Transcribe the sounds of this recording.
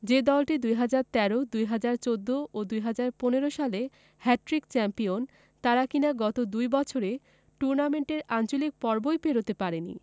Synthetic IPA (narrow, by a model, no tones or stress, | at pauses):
d͡ʑed̪ɔlʈid̪ujɦad͡ʑaɾt̪ɛɾod̪ujɦad͡ʑaɾt͡ɕod̪ːoʔod̪ujɦad͡ʑaɾponeɾoʃale | hɛʈɾikt͡ɕɛmpion | t̪aɾakinaɡɔt̪od̪ujbɔt͡ɕʰoɾe | ʈuɾnameɳʈeɾant͡ɕolik̚pɔɾbojpeɾot̪epaɾenḭ